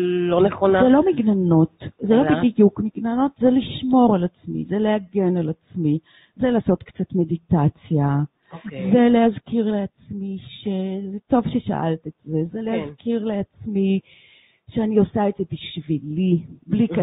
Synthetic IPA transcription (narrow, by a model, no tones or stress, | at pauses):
loneχonazelomiɡnanotzelo̞bidijukmiɡnanotzeliʃmo̞ʁalat͡smḭzele̞haɡenalat͡smi | zelaːso̞tkt͡satme̞ditat͡sja | zelehazkiʁleat͡smiʃezeto̞vʃeʃa̰ʔa̰ltetze̞zelehazkʰiʁle̞at͡smi | ʃeaniosaedze̞biʃviliblik